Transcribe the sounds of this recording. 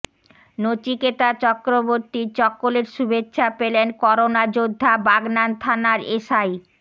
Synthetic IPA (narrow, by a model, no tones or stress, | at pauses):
not͡ɕiket̪at͡ɕɔkɾoboɾt̪it͡ɕɔkːoleɾʃubetːɕʰapelenkɔɾonad͡ʑod̪ʱːabaɡnant̪ʰanaɾeʃaj